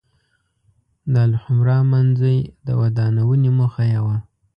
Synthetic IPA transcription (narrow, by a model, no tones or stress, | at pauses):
d̪alhʊmɾɑmanzəjd̪ə̰wad̪ɑnawənemʊxajawa